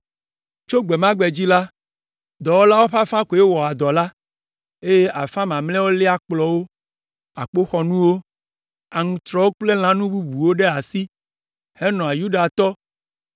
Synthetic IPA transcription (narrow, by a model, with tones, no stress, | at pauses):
t͡ʃo˦ɡ͡be˨mã˦ɡ͡bɛ˨d͡ʑi˦la˦ | d̪ɔ˨wo˦la˦wo˦ɸa˦fã˦ko˨je˦wɔ˨a˨d̪ɔ˨la˦ | e˦je˦ʔa˨fã˦mã˨mlɛ̃˦wo˦lɛ˦a˦k͡plɔ˨wo˦ | a˨k͡po˦xɔ˨nũ˦wo˦ | a˨ŋũ˨t̪ɾɔ˦wo˦k͡ple˦l̃ã˦nũ˦bu˦bu˨wo˦ɖe˦a˨si˦ | he˦nɔ̃˨a˨ju˦ɖa˨t̪ɔ˦